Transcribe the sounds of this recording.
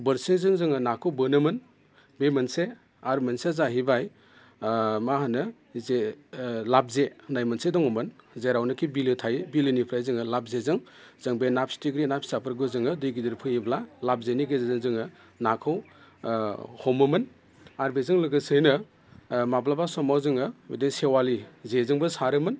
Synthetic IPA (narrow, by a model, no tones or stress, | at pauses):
bɐɾsezɯŋzɯŋɯnakʰɯwbɯnɯmɯn | bemɐnse | aɾmɐnsezaɦibaj | maɦanɯ | zelap̚zenajmɐnsedɔŋɯmɯnzeɾawnɯkʰibilɯtʰajbilɯnipʰɾajzɯŋɯlab̚zezɯŋ | z̥ɯŋbenap̚ʰstiɡɾinapʰi̥sapʰɯɾɡɯzɯŋɯdɯjɡidiɾpʰɯiblalab̚zeniɡezezɯŋzɯŋɯ | nakʰɯw | hɔmɯmɯn | aɾbezɯŋlɯɡɯsɯjnɯ | mablabasɔmawzɯŋɯwediŋsewalizezɯŋbɯsaɾɯmɯn